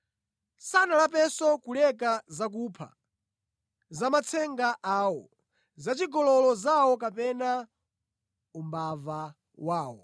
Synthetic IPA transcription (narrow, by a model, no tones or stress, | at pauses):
sanalapɛsɔkulɛkazak̬uːpʰa̰ | zamat͡sʰɛŋɡaʔaːwɔ | zat͡ʃiɡɔlɔlɔzawɔk̬apɛna | umbava | waːwɔ̰